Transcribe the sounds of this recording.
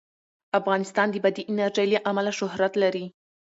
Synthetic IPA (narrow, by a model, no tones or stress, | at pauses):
afɣɑnɪst̪ɑnd̪əbad̪iʔɪnaɾʒajlaʔamalaʃʊhɾat̪laɾi